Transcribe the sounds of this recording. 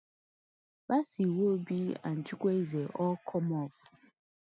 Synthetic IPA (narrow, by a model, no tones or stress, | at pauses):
b̥asiwobia̰n̩t͡ʃikʷezeʔɔkʰɔmɔf